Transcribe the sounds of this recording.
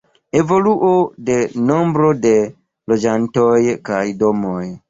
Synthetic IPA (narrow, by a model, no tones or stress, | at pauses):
e̞vo̞luʔode̞no̞mbɾode̞ | lo̞d͡ʒantojkajdo̞moj